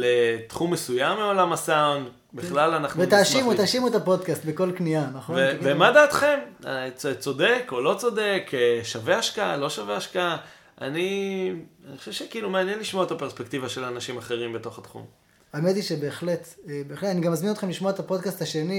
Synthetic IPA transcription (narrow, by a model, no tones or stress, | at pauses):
let̪χumːesujamːeo̞lamasaund | biχlalanaχuvet̪aːʃimut̪aːʃimuet̪apo̞d̪kast̪beko̞lknianaχovnevemad̪aːt̪χemat͡st͡so̞dekolo̞t͡so̞de̞keʃaveaʃkaalo̞ʃaveaʃkaa | ʔa̰ni | anixχoʃevʃekiːlumeanjenliʃmoaet̪apeʁspekt̪ivaʃe̞lanaʃimaχe̞ʁimbet̪o̞χat̪χṵm | amet̪iʃe̞be̞ːχle̞t̪ebeːχletaniɡamːazminot̪χemliʃmoaet̪apo̞d̪kastaʃe̞ni